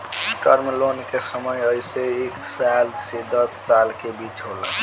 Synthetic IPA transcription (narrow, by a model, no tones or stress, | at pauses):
ʈəɾmlonkesəməjəjseeksalsid̪əsːalkebit͡ʃɦolə̰